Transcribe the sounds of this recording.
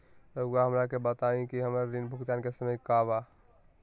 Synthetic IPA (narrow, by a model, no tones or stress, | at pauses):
ɾəaɦəmɾakebət̪aĩkiɦəmɾaɾinbʱʊkt̪ankesəməjkaba